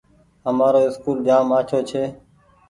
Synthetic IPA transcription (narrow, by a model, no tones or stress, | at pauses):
əmaːɾoːɪskuːld͡ʒaːmaːt͡ʃʰoːt͡ʃʰeː